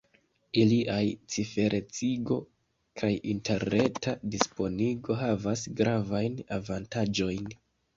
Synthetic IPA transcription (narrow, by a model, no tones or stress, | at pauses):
iliʔajt͡sife̞ɾʔe̞t͡siɡo̞ | kʰajinte̞ɾne̞tadispo̞niɡo̞ɦavas̬ɡɾavajnavantad͡ʒo̞jn